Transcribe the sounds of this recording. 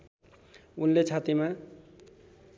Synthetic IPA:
unlet͡sʰat̪ima

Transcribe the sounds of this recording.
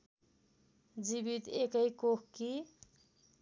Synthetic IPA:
d͡zibit̪ekʌjkokki

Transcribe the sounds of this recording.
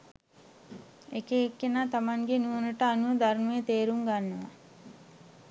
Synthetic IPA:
ekeːkːenaːt̪amaŋɡenuʋnəʈəanuʋəd̪aɾmujət̪eːɾumɡanːəʋa̰

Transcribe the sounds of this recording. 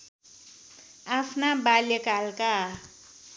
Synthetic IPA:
apʰnabaljekalka

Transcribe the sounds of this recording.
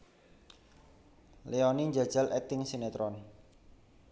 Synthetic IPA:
leoniɲd͡ʒad̥ʒ̥alɛt̪ɪŋsinet̪ɾɔn

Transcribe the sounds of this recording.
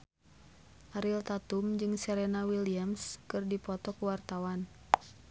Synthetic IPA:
ʔaɾilt̪at̪umd͡ʒɨŋsɛɾɛnawiliamskɨrdipɔt̪ɔkuwart̪awan

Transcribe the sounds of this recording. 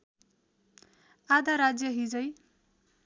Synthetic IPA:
ad̪aɾad͡zjʌɦid͡zʌj

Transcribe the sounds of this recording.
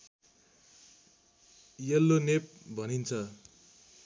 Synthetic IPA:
jʌlːonep̚bʱʌnint͡sʰʌ

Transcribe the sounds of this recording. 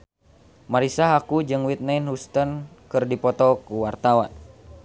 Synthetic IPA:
maɾisaɦakud͡ʒɨŋwit̪̚nainhust̪ənkɨrdipɔt̪ɔkuwart̪awa̰n

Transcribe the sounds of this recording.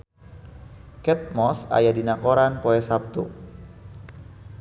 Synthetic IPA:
kɛt̪̚mɔsa̰jadinakoɾanpoɛsap̚t̪u

